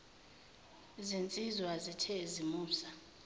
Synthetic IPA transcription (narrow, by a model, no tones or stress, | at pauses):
zint͡sʼizwazitʰɛzimuːsa